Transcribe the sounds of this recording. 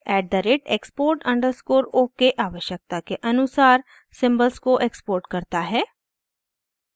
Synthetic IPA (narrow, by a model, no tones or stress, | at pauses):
ɛːɖ̚d̪əɾeʈḛːkspoːɾʈɐ̃ɳɖəɾskoːɾoːkeʔaːʋəʃjək̚t̪akeʔɐnʊsaːɾ | sɪ̃mbəlskoʔekspoːɾʈkɐɾt̪aɦɛː